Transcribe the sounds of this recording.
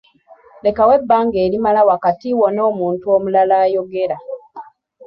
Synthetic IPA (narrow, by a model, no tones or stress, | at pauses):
le̞kawe̞bːaːŋɡeːɾimalawakatiwono̞ːmuːntuo̞ːmulalaːjo̞ɡeɾa